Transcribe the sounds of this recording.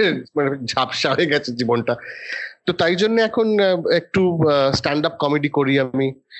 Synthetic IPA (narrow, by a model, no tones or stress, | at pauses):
maned͡ʑʱapʃaɦoeɡɛt͡ɕʰed͡ʑibonʈat̪ot̪ajd͡ʑonːeɛkʰonek̚ʈusʈaɳɖap̚kɔmeɖikoɾiami